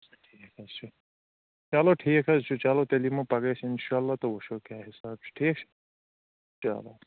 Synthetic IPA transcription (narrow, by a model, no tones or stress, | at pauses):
ʈʰiːkɐzt͡ʃʰu | t͡ʃaloːʈʰiːkɦɐzt͡ʃʰut͡ʃaloːt̪elimopɐɡeːt͡ʃʰɪnʃaːɐlːaːt̪oʋoʃoːkjaːɦɪsaːb̥̚t͡ʃʰu̥ʈʰiːk̚t͡ʃʰu̥ | t͡ʃa̰ːlo